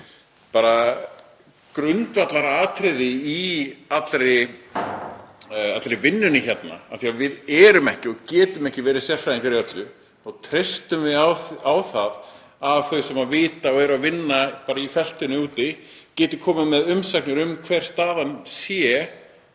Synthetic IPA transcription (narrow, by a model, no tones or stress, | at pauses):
paːɾa | kɾʏnt̪vat̪laɾaaːt̪ʰɾɪðɪiat̪lɾɪ | at̪ɾɪvɪnːʏnɪçɛt̪na̰a̰θiavɪðɛːɾʏmɛhcɪɔɣcɛːt̪ʏmɛhcɪvɛːɾɪsjɛr̥fajiŋkaɾiœt̪lʏ | ɔɣt̪ʰɾɪst̪ʏmvɪaawθað | avθœɥsɛmavɪːt̪aɔɣɛɾavɪnːapaːɾaifɛl̥t̪ʏnʏuːt̪ɪ | cɛːt̪ʏkʰɔːmɪmɛðʏmsaknʏɾʏmkʰvɛɾ̥st̪aːðansjɛ